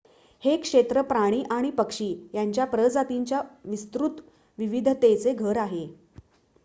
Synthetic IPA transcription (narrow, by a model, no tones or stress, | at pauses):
hekʂet̪ɾəpɾaɽ̃iːʔaɽ̃ipəkʂiːjaɲt͡ɕjapɾəd͡zat̪iɲt͡ɕjaʋist̪ɾut̪ | ʋiʋid̪ʱt̪ejt͡seɡʱəɾaɦe